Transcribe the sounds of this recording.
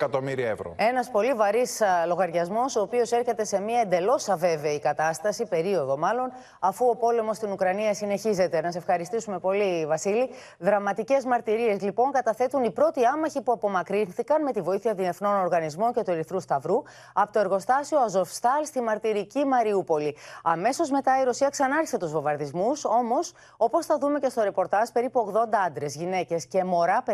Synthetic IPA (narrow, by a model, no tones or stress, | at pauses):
kɐt̪omiɾiɐevɾo̰e̞nɐspo̞livɐɾislo̞ɣɐɾʝɐzmo̞soːpio̞se̞ɾçe̞t̪e̞se̞miɐend̪e̞lo̞sɐve̞ve̞ikɐt̪ɐst̪ɐsipe̞ɾio̞ðo̞mɐlo̞n | ɐfuo̞po̞le̞mo̞st̪inukɾɐniɐsine̞çize̞t̪e̞nɐsefxɐɾist̪isume̞po̞livɐsili | ðɾɐmɐt̪ice̞zmɐɾt̪iɾie̞zlipo̞ŋkɐt̪ɐθe̞t̪unipɾo̞t̪iɐmɐçipuɐpo̞mɐkɾinθikɐnme̞t̪ivo̞iθiɐðiefno̞no̞ɾɣɐnizmo̞ɲce̞t̪ueɾiθɾust̪ɐvɾu | ɐpot̪oeɾɣo̞st̪ɐsioɐzo̞fst̪ɐlst̪imɐɾt̪iɾicimɐɾiupo̞liɐme̞so̞zme̞t̪ɐiɾosiɐksɐnɐɾçiset̪uzvo̞vɐɾðizmuso̞mo̞s | o̞po̞sθɐðume̞ce̞st̪o̞ɾe̞po̞ɾt̪ɐʒpe̞ɾipuo̞ɣðo̞nd̪ɐɐnd̪ɾe̞zʝine̞ce̞sce̞mo̞ɾɐp